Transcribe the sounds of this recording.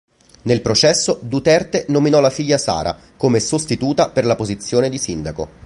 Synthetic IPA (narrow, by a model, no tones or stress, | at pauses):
nelpɾot͡ʃɛsːod̪ut̪ɛrt̪enominɔlafiʎːasa̰ːɾʔa̰ | komesost̪it̪uːt̪aperlapozit̪sːjoːned̪isind̪ako̰